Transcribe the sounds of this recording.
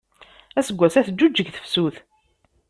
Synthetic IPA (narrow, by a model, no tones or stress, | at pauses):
æsəɡʷːæsæθəd͡ʒːud͡ʒːəɡθə̥fsuθ